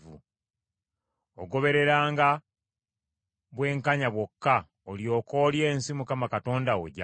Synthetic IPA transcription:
vṵ | oɡo̞βe̞ɾe̞ɾaːŋɡa | βwe̞ːŋkaɲaβwo̞kːa | oljo̞ːko̞ːlje̞ːnsimukamakato̞ːndawo̰ɟa

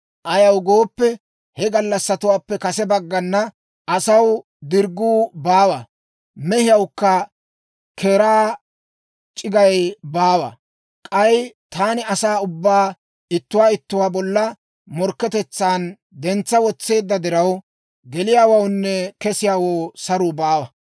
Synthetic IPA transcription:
ʔɐjɐwɡo̞ːpːɛ | hɛɡɐlːɐsːɐt̪ʊwaːpːɛkɐsɛbɐɡːɐnːɐ | ʔɐsɐw | d̪ɪɾɡuːbaːwɐ | mɛhɪjɐwkːɐ | kʰeːɾaː | t͡ʃʼɪɡɐjbaːwɐ̰ | kʼɐjt̪aːnɪɐsaːʊbːaː | ɪt̪ːʊwaːɪt̪ːʊwaːbɔlːɐ | mɔɾkːɛt̪ɛt͡sːaːn | d̪ɛnt͡sːɐwɔt͡sːe̞ːd̪ːɐd̪ɪɾɐw | ɡɛlɪjaːwɐwnːɛkɛsɪjaːwoːsɐɾuːbaːwɐ

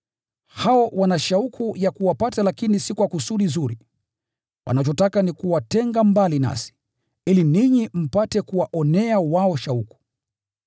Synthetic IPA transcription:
haɔwanaʃaukʰujakuwapatalakinisikwakusuɗizuɾi | wʔa̰nat͡ʃɔtakanikuwatɛŋɡambalina̰si̥ | iliniɲim̩patɛkuwaʔɔnɛawaɔʃauku̥

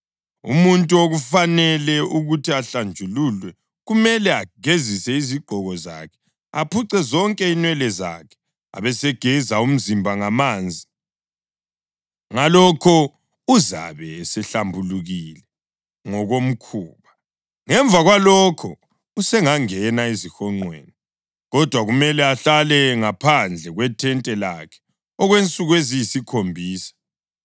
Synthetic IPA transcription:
ṵmuntʼuoɣufanɛlɛʔuɣutʰiaɬand͡ʒʱululwɛ | ɣumɛlɛaɡ̥ʱezisɛiziɡ͡ǃ̥ʱɔɣɔza̰kʰɛ̥ | apʰuǀɛzɔŋkʼɛinwɛlɛza̰kʰɛ̥ | a̰βɛsɛɡ̥ʱɛzaum̩zimbʱaŋamaːnd͡zʱi | ŋalɔkʰɔ | uza̰βɛsɛɬambʱuluɣilɛ | ŋɔɣom̩kʰuːβa | ŋɛɱb̪vʱaɣwalɔkʰɔ | usɛŋaŋɛnaizixɔŋ͡ǀwḛːni | ɣɔd̥ʱwaɣumɛlɛaɬalɛŋapʰand͡ɮʱɛɣwɛtʰɛntʼɛlakʰɛ̥ | ɔɣwent͡sʼuɣwezijisikʰombʱiːsḁ

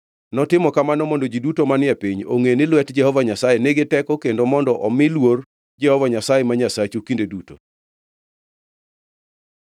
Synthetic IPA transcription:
nɔtɪmɔkamanɔmɔndod͡ʒidutomanɪapiɲo̰ŋenɪlwɛtd͡ʒɛhɔvaɲasajeneɡɪtɛkɔkendomɔndɔʔɔmɪlwor | d͡ʒɛhɔvaɲasajemaɲasat͡ʃukindeduto̰

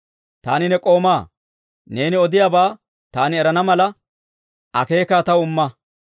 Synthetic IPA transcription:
t̪a̰ːnɪnɛkʼo̞ːmaː | neːnɪɔd̪ɪjaːbaː | t̪aːnɪɛɾɐnɐmɐlɐ | ʔɐ̰ke̞ːkaːt̪ɐwʊmːɐ

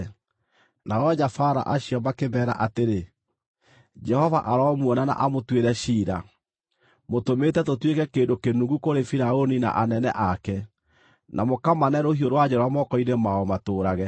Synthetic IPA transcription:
naɔɲafaɾa̰ʔaɕiɔmakebɛːɾa̰ʔateɾe | d͡ʒɛhɔvaʔaɾɔmwɔnana̰ʔamotweɾɛʃiːɾa | motometɛtotwekɛkeːndokenuɡukoɾefiɾaonina̰ʔanɛnɛ̰ʔakɛ | nʔamokamanɛɾohioɾwad͡ʒɛɾwamɔkɔinemaɔmatoːɾaɣɛ

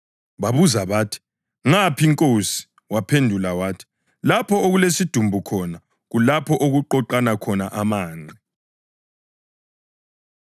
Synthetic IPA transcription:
βaβuzaβaːtʰi̥ | ŋapʰiŋkʼosi̥ | wapʰendʱulawaːtʰi̥ | lapʰɔoɣulesid̥ʱumbʱukʰɔna | ɣulapʰɔʔoɣuǃɔǃanakʰɔnaʔamaːŋ͡ǀʱi

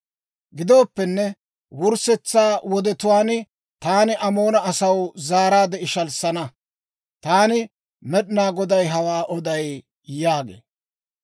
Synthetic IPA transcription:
ɡɪd̪o̞ːpːɛnːɛ | wʊɾsɛt͡sːaːwɔd̪ɛt̪ʊwaːnɪ | t̪aːnɪʔɐmo̞ːnɐɐsɐwzaːɾaːd̪ɛɪʃɐlsɐnɐ | t̪aːnɪ | mɛɗɪnaːɡɔd̪ɐjɦɐwaːʔɔd̪ɐj | jaːɡḛː

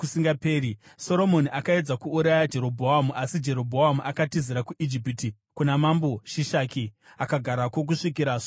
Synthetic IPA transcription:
usiŋɡapeːɾiso̞ɾo̞mo̞niʔakae̞d͡zakuːɾajad͡ʒe̞ɾo̞bʱoɦamuʔasid͡ʒe̞ɾo̞bʱoɦamuʔakatiziɾakuʔid͡ʒipiti | kunamambo̞ʃiʃaːkiakaɡʱaɾakwo̞k̬uʂikiɾaso

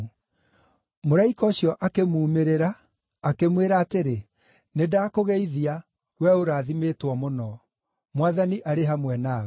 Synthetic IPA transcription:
moɾaikɔɕjɔʔakemuːmeɾeɾaː | kemweɾaːteɾe | nedaːkoɣɛiðia | wɛoɾaːðimeːtwɔmonɔ | mwaðaniʔaɾeɦamwɛnaːɣ

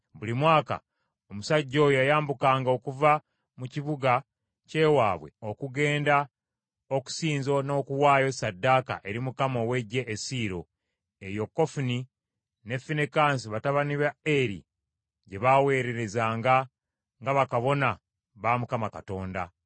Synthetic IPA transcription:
βulimwaːka̰ | omusaɟːo̞ːjojajaːmbukaːŋɡao̞kuva | muciβuɡa | ce̞ːwaːβwe̞̰o̞kuɡe̞ːnda | oku̥siːnzo̞no̞ːkuwaːjo̞sadːaːka̰ʔe̞ɾimukamo̞we̞ɟːe̞ʔːsiːɾo̞ | e̞jo̞kːo̞funi | ne̞fːinekaːnsiβataβaniβaeɾḭ | ɟe̞βawe̞ːɾe̞ɾe̞zaːŋɡa | ŋɡaβakaβo̞na | βaːmukamakato̞ːnda̰

